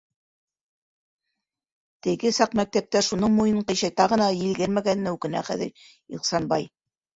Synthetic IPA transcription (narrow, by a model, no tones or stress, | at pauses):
t̪ɘ̆ɡɘsɑqmæk̚t̪æp̚t̪æʃunɤɴmujɤ̆ɴqɤ̆jɕɑjt̪ɑʁɤ̆nɑjɘ̆lɡɘɾmæɡæn̆ːæʉkɘ̆næ̰χæ̰ðɘ̰ɾ | iqsɑnbɑj